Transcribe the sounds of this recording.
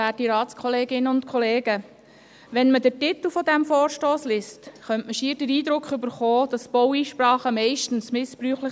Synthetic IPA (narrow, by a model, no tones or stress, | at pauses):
æːtiɾɑːtskʰχɔleːɡɪnəʊnt̪kʰχɔleːɡə | ʋɛnmədəɾtɪt̪l̩fɔd̪æmfoːɾʃtoːslɪstχœntməʃiːəɾdəɾiːd̪ɾʊkχʏbəɾχɔːd̥ɑsb̥ɔwiːʃpɾɑːχəmɛɪʃtən̩smɪspɾyːχlə